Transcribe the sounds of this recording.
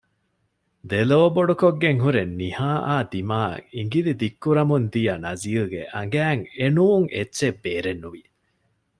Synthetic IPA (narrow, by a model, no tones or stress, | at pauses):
d̪eloːboɖukoɡːeŋɦuɾenːihaːʔaːd̪imaːiŋɡilid̪ikːuɾɐmund̪ijɐnɐziːlɡḛʔɐŋ̆ɡæːŋenuːŋʔetːʃebːeːɾenːuʋi